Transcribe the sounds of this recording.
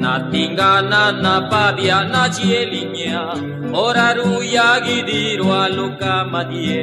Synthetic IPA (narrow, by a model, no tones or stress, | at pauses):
na̰t̪iŋɡananapadianat͡ʃiɛliɲɛa | ɔɾaɾujaɡidiɾoalukamaɦiɛ